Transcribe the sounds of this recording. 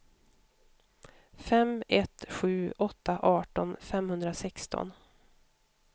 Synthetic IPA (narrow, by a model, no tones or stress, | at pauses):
fɛmɛt̪ɧʉ̟ːɔt̪ʰːaʔɑːʈɔnfɛmhɵnd̪ɾasɛkst̪ʰɔ̰n